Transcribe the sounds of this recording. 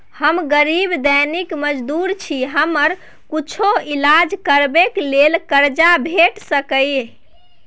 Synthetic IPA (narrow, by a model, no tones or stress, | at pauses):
həmɡəɾibd̪ənikməd͡ʒd̪uɾt͡ʃʰiɦəməɾ | kut͡ʃʰoilad͡ʒkəɾbeklelkəɾd͡ʒabʱeʈsəkəj